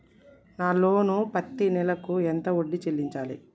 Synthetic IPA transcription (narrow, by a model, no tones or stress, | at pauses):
naːlo̞ːnupɐt̪ːinɛlɐkuent̪ɐoɖːit͡ʃelːiɲt͡ʃaːlḭ